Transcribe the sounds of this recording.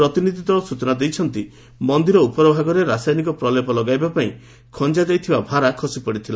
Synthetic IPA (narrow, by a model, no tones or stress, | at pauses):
ɾɔt̪inid̪ʱit̪ɔɔsut͡ʃɔnad̪ejt͡ʃʰɔnt̪i | mɔnd̪iɾɔupɔɾɔbʱaɡɔɾeɾasajnikɔpɾɔlepɔlɔɡajbapaĩ | kʰɔnd͡ʒad͡ʒajt̪ʰibabʱaɾakʰɔsipɔɽit̪ʰila